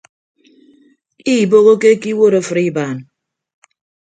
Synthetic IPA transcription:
i˦˨bo˦ɣo˦ke˦ki˦wo˦ɾo˦fɨ˨ɾi˦baː˨n˨

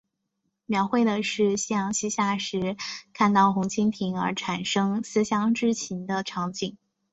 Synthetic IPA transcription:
mjɑ˧˥ʊxwe˥˩ɪd̪ə˩ʂɻ̩˥˩˧ɕi˥jɑ˧˥ŋɕi˥ɕja˥˩ʂɻ̩˧˥kʰa˥˧nt̪ɑ˥˩ʊxʊ˧˥ŋt͡ɕʰi˥nt̪ʰi˧˥ŋə̰˞˧˥ʈ͡ʂʰa˨˩nʂɤ˥ŋsɹ̩˥ɕjɑ˥ŋʈ͡ʂɻ̩˥t͡ɕʰi˧˥nd̪ə˧ʈ͡ʂʰɑ˧˥ŋt͡ɕi˨˩ŋ

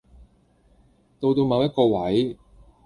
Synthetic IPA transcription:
t̪o˧wt̪o˧wmɐ˨˧wjɐ˥t̚kɔː˧wɐ˨˥j

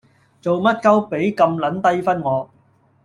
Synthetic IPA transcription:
t͡so˨wmɐ˥t̚kɐ˥wpe˨˥jkɐ˧mlɐ˨˥nt̪ɐ˥jfɐ˥nŋɔː˨˧

